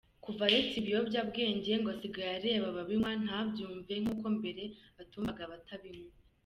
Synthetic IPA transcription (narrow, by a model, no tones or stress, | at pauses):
kuvaɾet͡siβijo̞bɟaːbɡeːɲɟe̞ŋɡosiɡajaɾeβaβaβimwan̥abɟuːɱve̞ŋ̥uːko̞mbe̞ɾe̞βatuːmvaɡaβatʰaβimwe